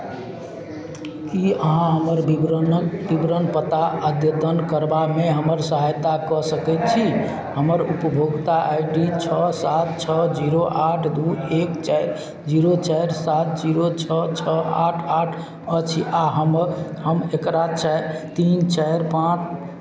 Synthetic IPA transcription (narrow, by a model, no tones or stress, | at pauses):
iəɦãɦəməɾ | bibɾənpət̪aəd̪jəd̪ənkəɾbameɦəməɾsəɦajt̪akɔsəkɛt̪̚t͡ʃʰi | həməɾupəbʱoɡt̪aʔajɖit͡ʃʰəsat̪̚t͡ʃʰəd͡ʒiɾoʔaʈʰd̪uekt͡ʃaɾ | d͡ʒiɾot͡ʃajɾsat̪̚d͡ʒiɾot͡ʃʰət͡ʃʰəaʈʰaʈʰ | ət͡ʃʰiʔaɦəmɦəmekɾat͡ʃɛt̪int͡ʃaɪɾpãt͡ʃʰ